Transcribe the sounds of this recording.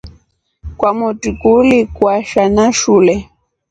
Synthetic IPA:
kwamutikulikwaʃanaʃulɛ

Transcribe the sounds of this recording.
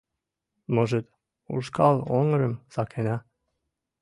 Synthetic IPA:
moʒət̪ | ṵʃkʰɑlˠoŋəɾə̆msɑkʰenæ

